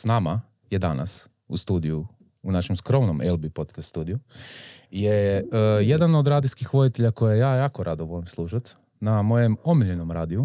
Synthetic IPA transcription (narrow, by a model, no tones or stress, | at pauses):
snama | jed̪ana̰s | ust̪uːd̪iju | unaʃemskɾo̞mnomʔelˠbipo̞t̪kast̪st̪uːd̪iju | jeje̞d̪ano̞d̪ɾaːd̪iskixʋo̞d̪it̪eʎakojeejaːjaːkoɾʔad̪oʋolimslˠuːʃat̪ | namo̞je̞mo̞miʎeno̞mɾaːd̪iu